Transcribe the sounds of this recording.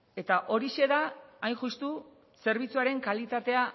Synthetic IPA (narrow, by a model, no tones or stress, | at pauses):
e̞t̪aʔo̞ɾiʃe̞ðaːjnʝust̪u | se̞ɾβ̞it͡suaɾe̞ŋkalit̪at̪e̞a